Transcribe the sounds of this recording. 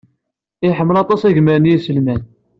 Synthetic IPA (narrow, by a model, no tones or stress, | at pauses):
ɪħəmːəlɑt̪ˤɑsæʝməɾənjisəlmæn